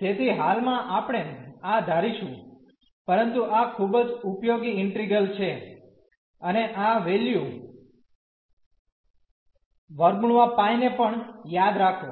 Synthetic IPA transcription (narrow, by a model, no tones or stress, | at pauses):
t̪et̪ʰiɦalmãʔapɽ̃enad̪ʱaɾiʃũ | pəɾənt̪uʔakʰubd͡ʒupjoɡiɪɳʈɾiɡəlt͡ʃʰe | əneʔaʋelju | ʋəɾɡuɳ̃ʋapãinepəɳjad̪ɾakʰo